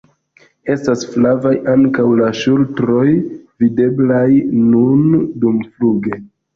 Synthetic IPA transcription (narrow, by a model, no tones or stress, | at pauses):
e̞stasflavajaŋkawlaʃultɾo̞jvide̞blajnundumfluɡe̞